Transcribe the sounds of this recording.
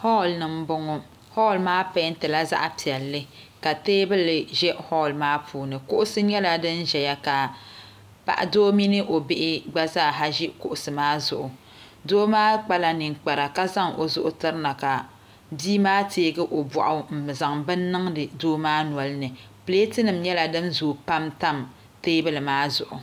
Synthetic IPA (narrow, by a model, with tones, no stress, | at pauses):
hɔ˦˨lnɨ˨m̩˦bʊ˦ŋʊ˦ | hɔ˦˨lmaː˦pa˦n̩˦tɨ˨la˦za̰˦ʔa˨pi˨ɛ˨lːɨ˦ | ka˨teː˦bɨ˦lɨ˨ʒɛ˦ʔhɔ˦˨lmaː˦pʰuː˦nɨ˨kʊ˦ʔʊ˦sɨ˦ɲɛ˦la˨dɨ˦n˦ʒɛ˨ja˦ka˨ | pa̰˨ʔa̰˨doː˦mi˦nɨ˦ʔo˨bɪ˦ʔɪ˦ɡ͡ba˦zaː˦˨ɦa˦ʒi˦kʊ̰˨ʔʊ˨sɨ˨maː˦zʊ̰˨ʔʊ˨ | doː˦maː˦k͡pa˦la˦ni˨ŋk͡pa˨ɾa˨ka˦za˦ŋʔo̰˨zʊ˦ʔʊ˦tɨ˦ɾɨ˦na˨ka˨ | biː˦maː˦tʰeː˦ɡɨ˦ʔo˨bɔ̰˨ʔʊ˨˦m̩˨za˨ŋbɨ˦nːɨ˦ŋdɨ˨doː˦maː˦nu˨ɔ˨lɨ˦nɨ˨ | pɨ˨le˦tɨ˦nɨ˨mɲɛ˦la˨dɨ˦nzuː˨pa˦mta˦m | teː˦bɨ˦lɨ˨maː˦zʊ̰˨ʔʊ˨